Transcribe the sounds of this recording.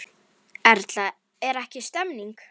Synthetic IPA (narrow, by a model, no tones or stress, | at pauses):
ɛɾt̪la | ɛɾɛhcɪst̪ɛmniŋk